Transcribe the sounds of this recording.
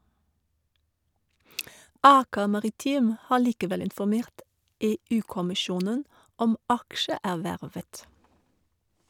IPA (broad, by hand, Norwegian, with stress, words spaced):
ˈɑːkə mɑʁɪˈtiːm ˈhɑː ɭiːkəˈʋɛl ɪnfɔˈmeːʈ ˈeːˌʉː kɔmɪˈʃjuːnən ˈɔm ˈɑkʃəˌæːʋæɹʋət